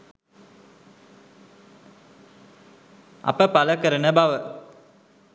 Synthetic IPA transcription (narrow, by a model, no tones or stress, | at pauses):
ɐ̰pəpaləkəɾənəbaʋə